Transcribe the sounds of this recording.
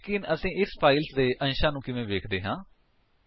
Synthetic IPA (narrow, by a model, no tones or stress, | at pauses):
kiːnəsĩːʔɪspʰaːilsd̪eːʔə̃nʃãːnũːkɪʋẽːʋeːkʰd̪eːɦãː